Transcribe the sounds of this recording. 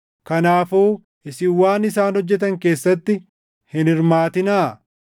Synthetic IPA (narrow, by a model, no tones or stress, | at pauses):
kɐnaːfuː | ɪsɪwaːnɪsaːnhɔd͡ʒːɛt̪̬ɐŋke̞ːsːɐt̪ːɪ | hɪnɪɾmaːt̪ɪnaː